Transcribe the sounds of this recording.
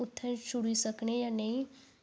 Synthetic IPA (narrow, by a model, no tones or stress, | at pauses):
ʊt̪ʰːɛ̃t͡ʃʊɽisəknejanɐɦĩ